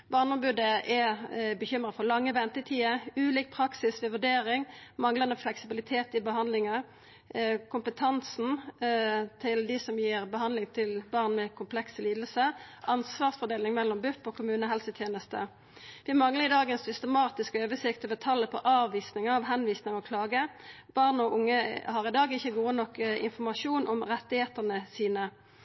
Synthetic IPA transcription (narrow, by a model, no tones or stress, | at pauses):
bɑːʁnəɔmbʉd̪əʔɛbəçʏmʁəfɔʁlɑŋːəʋɛnt̪ət̪ʰiːəʉːliːk̚pʰʁɑksɪsʋɛʋʉɖ̪eːɾɪŋmɑŋlɑnəflɛksɪbɪlɪt̪ʰeːt̪ɪbəɦɑnd̪lɪŋə | kʰʊmpət̪ʰɑnsn̩ | t̪ʰɪld̪ɪsɔmjiːʁbəɦɑnd̪lɪŋt̪ʰɪlbɑʁnmɛkʰʊmpʰlɛksəliːd̪əlsəʔɑnsʋɑːʁsfɔd̪eːlɪŋmɛlːɔmbʉfɔːkʰʊmʉːnəɦɛlsət̪ʰjeːnəst̪ə̰ | ʋɪmɑŋləʁɪd̪ɑːɡənsʏst̪əmɑːt̪ɪskøːʋəsɪkt̪əʋət̪ʰɑlːəpʰɔʔɑːʋʋiːsnɪŋɑʋɦɛnʋiːsnɪŋɔkʰlɑːɡə | b̥ɑʁnɔʔʊŋːəhɑʁɪd̪ɑːɡɪçːəɡuːənɔkːɪ̰nfɔʁmɑʂuːnʔɔmʁɛt̪ːɪheːt̪əʁnəsiːnə